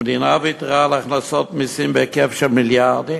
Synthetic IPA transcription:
dɪnavitʁaːlˠaχnasɔtmɪsɪmbɛkɛfʃəmɪlˠjaʁdi

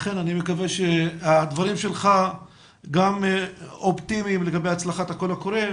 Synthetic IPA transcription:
χenanimekaveʃead̪vaɾimʃelχa | ɡamopt̪imimleɡabejat͡slaχat̪hako̞lakoɾe

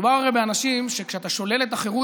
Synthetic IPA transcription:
vaʁaʁebeanaʃimʃekʃeat̪aʃo̞le̞let̪aχe̞ʁu

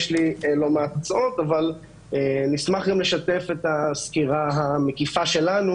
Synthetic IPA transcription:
ʃlilo̞meatt͡so̞t̪aval | enismaχɡamle̞ʃate̞fet̪askiʁaɦame̞kifaʃe̞lanu

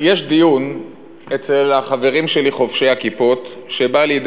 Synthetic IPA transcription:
jeʃd̪ijun | et͡selaχave̞ʁimʃe̞liχo̞fʃe̞jhakipo̞t̪ʃe̞balid̪

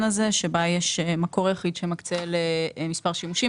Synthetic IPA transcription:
naze̞ʃebajeʃmako̞ʁjaχid̪ʃemakt͡selemispaʁʃimuʃi

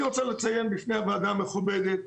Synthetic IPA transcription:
ʁot͡salet͡sajenbifnejaveːd̪ameχubed̪et̪̚

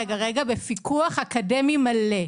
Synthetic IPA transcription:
eɡaʁeɡabefikuaχakade̞mimale

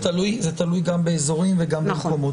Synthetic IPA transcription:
t̪alujzet̪alujɡambeezo̞ʁimveɡambemkomo̞t̪

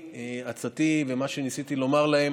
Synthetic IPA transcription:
eat͡sat̪ivemaʃenisit̪ilo̞maʁlae̞m

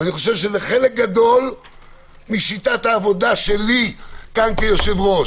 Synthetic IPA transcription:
aniχo̞ʃevʃezeχe̞lek̚ɡad̪o̞l | miʃit̪at̪aːvo̞d̪aʃelikankejo̞ʃevʁo

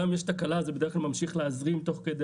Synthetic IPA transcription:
amjeʃt̪akalazebedeχklalmamʃiχleazʁimt̪o̞χked̪e

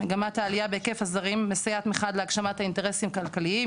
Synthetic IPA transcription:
eɡamathaːlijabekefhazaʁimːesijat̪miχad̪leaɡʃamathaint̪eʁesimkalkalii

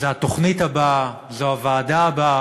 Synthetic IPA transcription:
zeat̪o̞χnitaba | zoavaːdaːba

